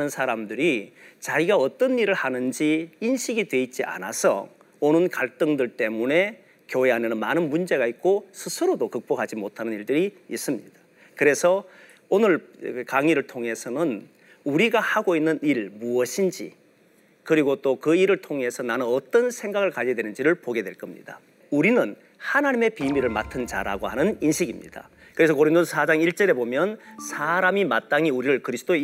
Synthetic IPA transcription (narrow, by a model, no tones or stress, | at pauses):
nɯnsʰaɾamdɯɾit͡ɕaiɡaʌt͈ʌniɾɯɭhanɯnd͡ʑiinɕʰiɡidwe̞it̚t͡ɕ͈iʔa̰na̰sʰʌ̰ | onɯnkaɭt͈ɯŋdɯɭt͈e̞mune̞ | kjoɦeɦanenɯnmanɯnmund͡ʑe̞ɡait̚k͈osʰɯsʰɯɾodokɯk̚p͈okɦad͡ʑimotʰanɯniɭdɯɾiːs͈ɯmɲḭd̥a | kɯɾe̞sʰʌ | onɯɭkaŋiɾɯɭtʰoŋe̞sʰʌnɯn | uɾiɡahaɡoinːɯniɭmuʌɕʰind͡ʑḭ | kɯɾiɡot͈okɯiɾɯɭtʰoŋe̞sʰʌnanɯnʌt͈ʌnsʰe̞ŋɡaɡɯɭkaʎiedwe̞nɯnd͡ʑiɾɯɭpoɡe̞dwe̞ɭk͈ʌmɲḭd̥a̰ | uɾinɯn | hanaɲime̞pimiɾɯɭma̰tʰɯnd͡ʑa̰ɾa̰ɡohanɯninɕʰiɡimɲḭd̥a̰ | kɯɾe̞s̬ʰʌkoɾindonsʰad͡ʑaŋiɭt͡ɕ͈ʌɾe̞bomjʌnsʰaɾamimat̚t͈aŋiuɾiɾɯɭkɯɾisʰɯ̥t͈ʰo